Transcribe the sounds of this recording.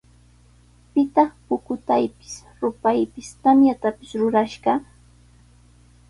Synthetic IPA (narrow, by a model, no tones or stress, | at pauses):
pɪt̪ɑχpʊkʊt̪ajpɪ̥s | ɾʊpajpɪst̪amjat̪apɪsɾʊɾaʃɢɑ